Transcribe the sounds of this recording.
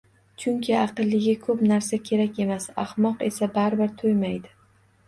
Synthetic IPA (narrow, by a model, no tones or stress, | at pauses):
t͡ʃʰʊŋkʲʰɪɑqɨlːɪɡʲɪkʰɵpnaɾsakʲʰe̞ɾakʲe̞masa̰hmɒqe̞sabaɾbɪɾt̪ʰojmajd̪ɪ